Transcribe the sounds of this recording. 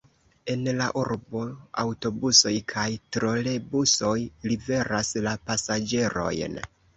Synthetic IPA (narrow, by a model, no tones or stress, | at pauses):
e̞nlaʔuɾbo̞a̰wto̞buso̞jkʰajtɾo̞le̞buso̞jlive̞ɾaslapasad͡ʒe̞ɾo̞̰jn